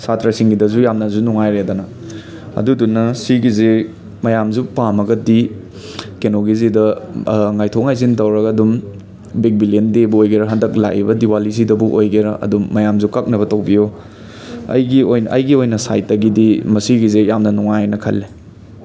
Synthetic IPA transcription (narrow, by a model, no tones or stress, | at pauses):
satɾɐsiŋɡidɐzujamnɐzunuŋajɾedanɐ | ɐ̰dudunːɐsiɡize | mɐjamzupamɐɡɐdi | kenoɡizidɐŋajtʰoŋajzintɐwɾɐɡɐɐdum | bik̚biliendebuojɡeɾɐɦɐndɐk̚la̰kibɐdiwalis̬idɐbuʔojɡeɾɐʔɐ̰dumːɐjamzukɐk̚nɐβɐtok̚bijo | ɐ̰jɡiojnʔɐjɡiojnɐsa̰jtːɐɡidimɐsiɡizejamnɐnuŋajnɐkʰɐ̰lːe